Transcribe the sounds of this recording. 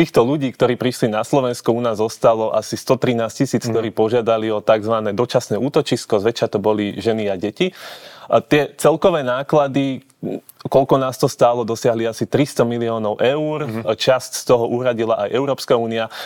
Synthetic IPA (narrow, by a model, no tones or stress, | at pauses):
t̪iːxt̪ɔluɟiːkt̪ɔɾiːpɾiʃlinaslɔʋɛnskuunaːzɔst̪alɔʔa̰sist̪ɔt̪ɾinaːscisiːt͡sk̚t̪ɔɾiːpɔʒɪad̪aliɔt̪aɡzʋanɛːd̪ɔt͡ʃasnɛuːt̪ɔt͡ʃiskɔzʋɛt͡ʃat̪ɔbɔliʒɛniaɟɛci | t̪ɪɛt͡sɛlkɔʋɛːnaːklad̪i | kɔlkɔnaːst̪ɔst̪aːlɔd̪ɔsɪaɦliasit̪ɾist̪ɔmiliɔːnɔʊʔɛuɾt͡ʃascst̪ɔɦɔʔuɦɾaɟilaʔajʔɛʊɾɔːpskauːnia